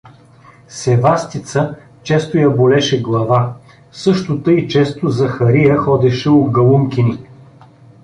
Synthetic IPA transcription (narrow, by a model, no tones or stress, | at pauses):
sɛvast̪it̪sə | t͡ʃɛst̪ojɐbolɛʃɛɡlˠɐva | sɤʃt̪ʊt̪əit͡ʃɛst̪ozɐxɐɾijəxɔd̪ɛʃɛoɡɐlˠumkʲini